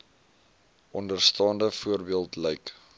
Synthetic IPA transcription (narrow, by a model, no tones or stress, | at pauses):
ʔɔndərstɑːndəfuərbiəlˠtlɛjk